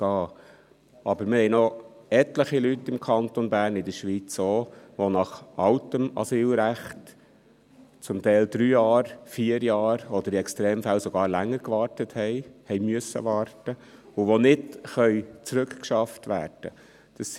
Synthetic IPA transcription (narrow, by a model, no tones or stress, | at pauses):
ɑː | ʔɑbəɾməhɛɪnɔɛtləχilytːɪmkʰɑnt̪ɔnbæːɾnɪd̪əɾʃʋit͡soːʋonɑχʔɑlt̪əmɑ̰syːlɾæχt | t͡sʊmt̪ɛɪld̥̪ɾyːjɑːɾfiːəɾjɑːɾɔd̪əɾiɛkstɾeːmfælsɔɡ̥ɑːɾlæŋːəɾkʋɑːɾtəthɛɪhɛɪmyəsə̰ʋɑːrtəʊʋonɪdχœʏt͡sɾʉkkʃɑftʋæ̰ːɾd̥ə̰ | d̥ɑs